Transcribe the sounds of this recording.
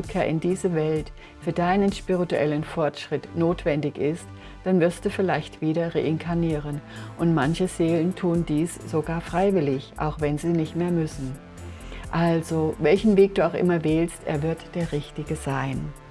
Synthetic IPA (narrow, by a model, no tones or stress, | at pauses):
kʰeːɐʔɪ̰ndiːzəvɛlt | fyːɐdaɪnənʃpiʁituʔɛ̰lənfɔɐtʃʁ̥ɪtnoːtv̥ɛndɪçɪst | d̥anvɪɐst̚d̥uːfɪlaɪçtv̥iːɾɐʁḛʔɪnkʰaɐniːʁənʔʊntmançəz̥eːləntʰuːəndiːsz̥oɡaːɐfʁ̥aɪvɪlɪçʔa̰ʊxv̥ɛnziːnɪçtmeːɐmʏsn̩ | ʔalzovɛlçn̩veːk̚d̥uːaʊxʔɪ̰mɐvɛːlstʔḛːɐvɪɐtd̥eːɐʁɪçtɪɡəzaɪn